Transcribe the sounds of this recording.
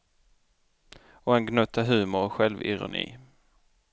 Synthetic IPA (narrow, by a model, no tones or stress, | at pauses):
ɔɛnɡnɵt̪ʰːaɦʉ̟ːmʊɾɔɧɛlvɪ̰ɾʊ̰nḭː